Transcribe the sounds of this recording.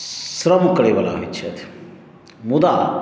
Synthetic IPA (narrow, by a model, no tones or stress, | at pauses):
sɾɐmukɐɽiʋɐla̰ːʋit͡ʃːʰɐ̰t̪i̥ | mud̪aː